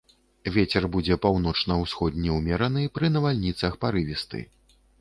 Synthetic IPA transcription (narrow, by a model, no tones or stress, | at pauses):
vʲet͡sʲɛrbud͡zʲɛpawnɔt͡ʂnɐwsxɔd̪̚ʲnʲiwmʲɛɾɐnɨpɾɨnɐvalʲnʲit̪sɐxpaɾɨvʲist̪ɨ̰